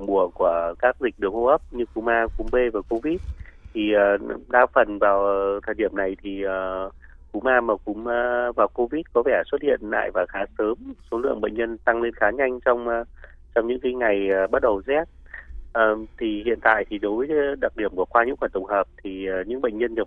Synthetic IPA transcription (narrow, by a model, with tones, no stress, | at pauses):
ŋ͡mɓu˧˩əku˧˩əkaː˦˥k̚zi˨˩k̚ɗɨ˨˩əŋho˧ʔə˦˥p̚ɲɨ˧ku˨˦maː˧kʊ˨˧˦ŋ͡mɓe˧vaː˨˩ko˧vi˦˥t̚t̪ʰi˨˩ʔəː˨˩ɗaː˧fə˨˩nvaː˨˩wt̪ʰəː˨˩jɗi˧˩əmna˨˩jt̪ʰi˨˩əː˨˩ | ku˨˦mʔaː˧maː˨˩kʊ̰˨˧˦ŋ͡mːvaː˨˩wko˧vi˦˥t̚kɔ˨˦vɛ˧˩swə˦˥t̚hḭ˧˨ənːa̰ː˧˨jvaː˨˩xaː˨˦səː˨˦mso˨˦lɨ̰˧˨əŋɓə̰˧˨jŋ̟ɲə˧nt̪a˧ŋle˧nxaː˨˦ɲa˧jŋ̟t͡ɕɔ˧wŋ͡m | t͡ɕɔ˧wŋ͡mɲɨ̰˧˥ŋkaː˨˦jŋa˨˩jːɓa˦˥t̚ɗə˨˩wzɛ˦˥t̚ | ʔəː˨˩t̪ʰi˨˩hḭ˧˨ənt̪a̰ː˧˨jt̪ʰi˨˩ɗo˨˦jvə˨˦˨ɗa˨˩k̚ɗi˧˩əmku˧˩əkwaː˧ɲɨ̰˧˥ŋkwaː˧˩t̪ʊ˨˩ŋ͡mhəː˨˩p̚t̪ʰi˨˩˨ɲɨ̰˧˥ŋɓə̰˧˨j̟ɲə˧nɲə˨˩